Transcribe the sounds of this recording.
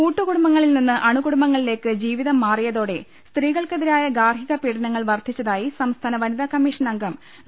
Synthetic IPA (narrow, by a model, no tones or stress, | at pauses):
kuːʈːuɣuɽumbɐŋːɐɭilninːɨʔɐɳuɣuɽumbɐŋːɐɭile̞ːkːɨd͡ʑiːʋiðɐmːaːrijɐðo̞ːɽe̞ | st̪riːɣɐɭkeðiɾaːjɐɡaːrɦiɣɐpiːɽɐnɐŋːɐɭʋɐrt̪ʰit͡ɕːɐðaːjisɐmst̪ʰaːnɐʋɐniðɐkɐmːiːʂɐnɐŋɡɐm